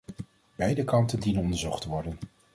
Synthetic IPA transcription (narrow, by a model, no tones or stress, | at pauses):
b̥ɛjdəkɑntəndinənɔndəɹzɔχtəʋɔɹdən